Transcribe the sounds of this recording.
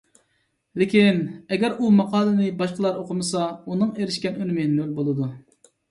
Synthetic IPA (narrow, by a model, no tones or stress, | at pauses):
lekʲinɛɡʲɛɾumɑqʰɑːlˠɨnɪbɑʃqəlˠɑɾoqʰʊmɨsɑunɨŋeɾɪʃkʲɛnønɪmɪnølbolˠɨd̪u